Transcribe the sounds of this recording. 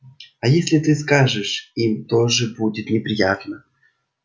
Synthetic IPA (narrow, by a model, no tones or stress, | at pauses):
ɐjesʲlʲɪt̪ɨskaʐɨʂimt̪oʐɨbudʲɪt̪nʲɪpɾʲɪjat̪nə